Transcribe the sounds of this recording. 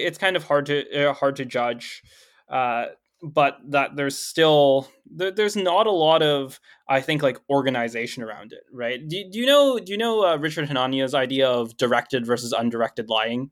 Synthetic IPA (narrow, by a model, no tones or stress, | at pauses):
ɨtskʰãɪ̃ndʌv̥hɑɹd̚tʰɨɪhɑɹd̚tʰɨd͡ʒʌd͡ʒ | ʔʌ | b̥ʌt̪̚ðət̪̚ðə˞z̥stɪlˠ | ðə˞ðə˞znəɾəlɔɾʌv | ʔaɪθɪ̃ŋklaɪkɔɹɡɨnɨɪzeɪʃɨ̃nə˞ã̰ʊ̃ndɪ̰t̚ɹaɪt̚d̥ɨdɨjɨnoʊdɨjɨnoʊʌɹɪt͡ʃə˞d̚hɨnɑnioʊzaɪdiəʌvdə˞ɛk̚tɨdvɜ˞sɨzʌ̰̃ndə˞ɛk̚tɨdˡlaɪɪ̃ŋ